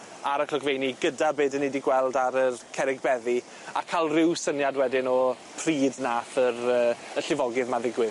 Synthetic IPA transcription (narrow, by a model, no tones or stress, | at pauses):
aɾəkʰlɔɡvejniɡədabeːdənediɡwɛlˠdaɾərkʰɛɾɪɡbɛði | a̰kʰalˠrɪwsənjadwɛdɪnɔ | pʰriːdnaːfəɾəːəɬɪvɔɡɪðmaðɪɡwɪð